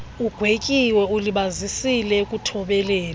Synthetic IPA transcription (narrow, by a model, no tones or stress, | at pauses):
uɡ̥ʱwekʼiwɛuliɓazisilɛkʼutʰɔɓɛlɛːl